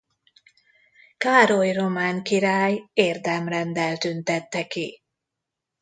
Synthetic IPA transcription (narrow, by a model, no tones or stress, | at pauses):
kaːɾojro̞maːŋkiɾaːjeːrd̪ɛmrɛnd̪ɛlt̪ynt̪ɛt̪ːɛki